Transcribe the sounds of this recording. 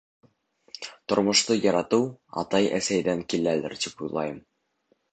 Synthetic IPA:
t̪ŏɾmŏʃt̪ɤjɑɾɑt̪ɤwɑ̰t̪ɑjæ̰sæjd̪æŋkilælɘ̰ɾt̪ipujlˠɑ̰jɤm

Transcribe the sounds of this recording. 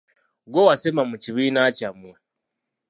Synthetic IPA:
ɡowasemamuciβiːnacamwa

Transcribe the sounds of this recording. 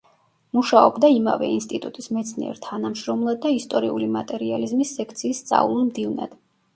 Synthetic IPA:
muʃaɔbd̪aima̰vɛ̰inst̪ʼit̪ʼut̪ʼismɛt̪sʰniɛ̰ɾt̪ʰanamʃɾɔmlˠad̪ːaist̪ʼɔɾiulimat̪ʼɛɾializmisːɛkʰt̪sʰiːst̪sʼa̰vlˠlmd̪ivna̰d̪̥

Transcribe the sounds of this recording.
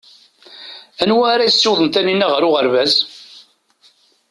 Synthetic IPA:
ænwæːɾajisːiwðˤənt̪æninːæʁəɾʊʁəɾvæz

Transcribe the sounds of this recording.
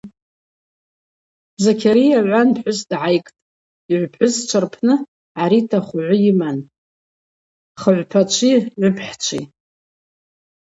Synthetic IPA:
bzakʰʲaɾijaʕʷanpħʷʊsdʕajkʼtʼ | iʕʷpħʷʊst͡ʃʷʰarpʰnɨ | ʕaɾitʰaχʷʊʕʷʊjiman | χəʕʷpʰat͡ʃʷʰiʕʷʊpʰħt͡ʃʷʰḭ

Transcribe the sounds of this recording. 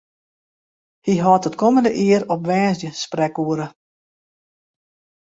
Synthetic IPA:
hiɦɔtətkɔməndəʔɪəɾɔpʋɛːzjəsprɛkuəɾə

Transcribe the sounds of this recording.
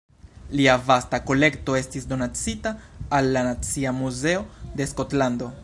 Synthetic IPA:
liavastako̞le̞kto̞e̞stisdo̞nat͡sitaːlːanat͡siamuze̞o̞de̞sko̞tlando̞

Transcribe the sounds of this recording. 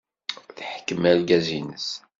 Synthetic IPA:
θħəkːəmælɡæzinəs

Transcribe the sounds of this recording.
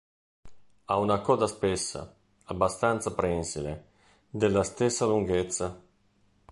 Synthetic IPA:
aunakɔːd̪aspesːa̰ | abːast̪ant̪sapɾɛnsile | d̪elːast̪esːaluŋɡet̪sːa

